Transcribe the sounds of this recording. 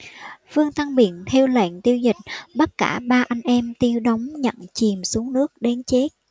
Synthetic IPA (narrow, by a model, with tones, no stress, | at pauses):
fɨ˧əŋt̪a˧ŋɓḭ˧˨ənt̪ʰɛ˧wlə̰˧˨ŋt̪i˧əwzï˨˩k̟̚ɓə˦˥t̚kaː˧˩ɓaː˧ʔa˧jŋ̟ʔɛ˧mt̪i˧əwɗə˨˦wŋ͡mɲə̰˧˨nt͡ɕi˨˩msu˨˦əŋnɨ˦˥ək̚ɗe˨˦nt͡ɕe˦˥t̚